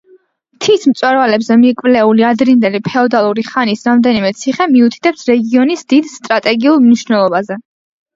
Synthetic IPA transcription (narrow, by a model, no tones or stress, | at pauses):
t̪ʰismt̪sʼwɛɾvalɛbzɛmikʼvlɛuliad̪ɾind̪ɛlipʰɛɔd̪alˠuɾiχanisɾamd̪ɛnimɛt̪sʰiχɛmiut̪ʰi̥t̪ʰʼɛpsɾɛɡiɔnisd̪id̪st̪ʼɾat̪ʼɛɡiulˠmniʃnɛlˠɔbazɛ